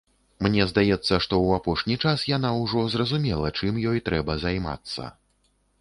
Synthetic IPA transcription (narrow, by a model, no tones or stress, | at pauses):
mnʲɛzd̪ajɛt̪sːɐʂt̪ɔwapɔʂnʲit͡ʂasjan̪awʐɔzrɐzumʲɛlˠɐt͡ʂɨmjɔjt̪ɾɛbɐzajma̰t̪sːɐ̰